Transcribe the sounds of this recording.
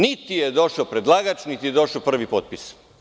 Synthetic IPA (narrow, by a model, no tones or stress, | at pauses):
nit̪ijed̪o̞ʃaopɾed̪lˠaːɡat͡ʃnit̪ijed̪o̞ʃaopr̩ʋipot̪̚pis